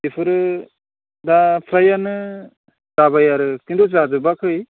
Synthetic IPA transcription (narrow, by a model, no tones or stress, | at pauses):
dipʰɯɾɯ | dapʰɾajanɯ | zabajaɾɯkindozazɯbakʰɯj